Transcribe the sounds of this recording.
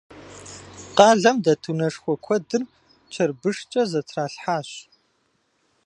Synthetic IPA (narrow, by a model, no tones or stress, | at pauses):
qɑːɮɐmdɐtʰunɐʂxʷɔkʷʰɔdɨr | t͡ʃʰɐrbɨʂt͡ʃʼɐzɐtʰraːɬħaːɕ